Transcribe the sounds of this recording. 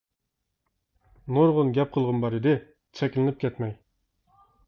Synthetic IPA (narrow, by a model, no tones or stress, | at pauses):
noɾʁʊnɡʲɛp̚qʰəlˠʁʊnbɑɾɪd̪ɪ | t͡ʃʰɛkʲlɪnɪp̚kʲʰɛt̪mɛj